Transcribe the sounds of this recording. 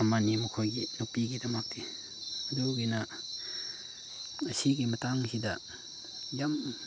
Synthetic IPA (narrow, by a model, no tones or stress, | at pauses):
amanimɐkʰojɡinupiɡidɐmak̚di | ɐduɡina | ɐsiɡimɐtaŋsidɐ | jam